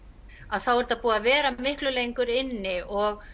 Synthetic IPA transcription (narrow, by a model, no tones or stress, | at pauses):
aðθawɛɾt̪aðpuːavɛːɾamɪhklʏlejŋkʏɾɪnːɪɔɣ